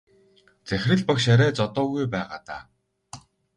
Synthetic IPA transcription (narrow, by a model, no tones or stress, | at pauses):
t͡sæxʲrɘ̆ɮpakʃaɾʲæːt͡sɔt̪ʊːɣujpæːʁa̰ːt̪aː